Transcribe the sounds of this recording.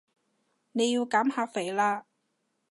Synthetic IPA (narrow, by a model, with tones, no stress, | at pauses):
ne˨˧ji˧wkaː˨˥mhaː˧k̚fe˨˩jlaː˧